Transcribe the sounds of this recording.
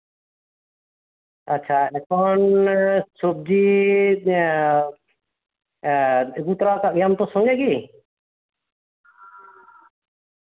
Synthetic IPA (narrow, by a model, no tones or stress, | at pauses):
aːt͡ʃʰaɛkʰɔnsob̚d͡ʒi | ɡut̪ɾakaʔjamt̪ɔsɔŋd͡ʒɛɡi